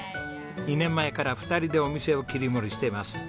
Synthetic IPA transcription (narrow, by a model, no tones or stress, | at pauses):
ɲʲinẽ̞mːae̞kaɾaɸɯ̟̥t̪aɾʲid̪e̞o̞mʲise̞o̞kʲiɾʲimo̞ɾʲiɕi̥t̪e̞imasɨ̥